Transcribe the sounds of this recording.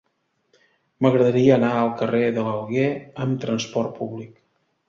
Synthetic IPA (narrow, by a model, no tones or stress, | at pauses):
məɣɾəðəɾiəːnaəlˠkəreðələlˠɣeəmt̪ɾənspɔrt̪̚puβlik